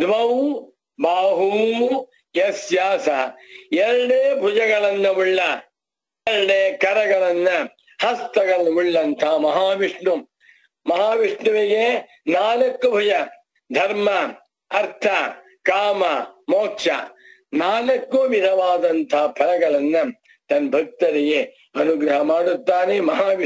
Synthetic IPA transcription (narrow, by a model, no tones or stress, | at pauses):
d̪ʋɐw | baːɦuːm | jɐsjaːsɐeɾɐɽeːbʱud͡ʒɐɡɐɭɐnːɐuɭːɐ | eɾɐɽeːkɐɾɐɡɐɭɐnːɐ | hɐst̪ɐɡɐɭɐuɭːɐnt̪ʰɐmɐɦaːʋiʂɳu | mɐɦaːʋiʂɳuʋiɡe | naːlɐkːubʱud͡ʒɐ | d̪ʱɐɾmɐ | ɐɾt̪ʰɐ | kaːmɐmoːkʂɐ̰ | naːlɐkːuʋid̪ʱɐʋaːd̪ɐnt̪ʰɐɐpʰɐlɐɡɐɭɐnːɐ | t̪ɐnbʱɐk̚t̪ɐɾiɡe | ɐnuɡɾɐɦɐmaːɽut̪ːaːnemɐɦaːʋi